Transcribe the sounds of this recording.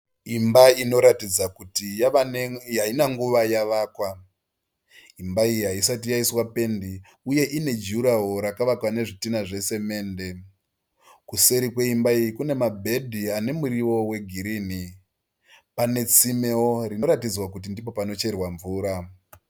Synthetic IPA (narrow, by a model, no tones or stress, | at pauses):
imbaino̞ɾatid͡zakuti | ainaŋɡuʋajaʋaːkwa | imbaijiɦaisatijaiswape̞ndi | uje̞ʔine̞d͡ʒuɾaɦo̞ɾakaʋakwane̞ʐitinaʐe̞se̞me̞ːnde̞ | kuse̞ɾikwe̞imbaijikune̞mabʱe̞dʱiane̞muɾiʋo̞we̞ɡʱiɾiːni | pane̞t͡simewo̞rino̞ɾatid͡zwakut̬indipo̞pano̞t͡ʃe̞rwaɱvuːɾa